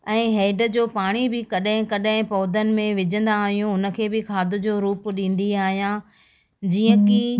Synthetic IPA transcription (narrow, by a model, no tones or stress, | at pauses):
ɛ̃ːɦeːɖə̆d͡ʑoːpaːɽ̃ibɪkɐɗɦɪ̃kɐɗɦɪ̃pɔːd̪ənɪ̆mẽʋɪd͡ʑə̃nd̪aːɦijũɦʊnə̆kʰeːbɪkʰaːd̪ʊ̆d͡ʑoːɾuːpɗĩːn̆d̪iaːɦijã | d͡ʑiːə̃kɪ